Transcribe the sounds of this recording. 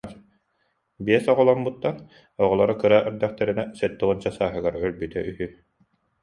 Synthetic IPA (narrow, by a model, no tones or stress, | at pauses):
biɛsɔʁɔlˠɔmbut̪ːan | ɔʁɔlˠɔɾɔkɯɾaʔœɾd̪æχt̪ɛɾinɛsɛt̪ːuʁunt͡ɕasaːɦɯɡaɾœlbyt̪ɛyɦyː